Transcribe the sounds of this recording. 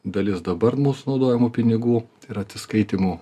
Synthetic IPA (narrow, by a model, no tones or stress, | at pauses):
d̪ɐlʲɪsd̪ɐbɐɾmʊsnɒʊd̪oːjɛmʊpʲɪnʲɪɡuːɪɾɐt̪ʲsʲɪskɐɪt̪ʲimu